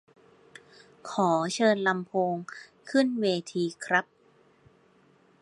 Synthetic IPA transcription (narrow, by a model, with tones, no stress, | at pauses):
kʰɔː˩˦t͡ɕʰɤː˧nla˧mpʰoː˧ŋkʰɯ˥˩nweː˧t̪ʰiː˧kʰɾa˦˥p̚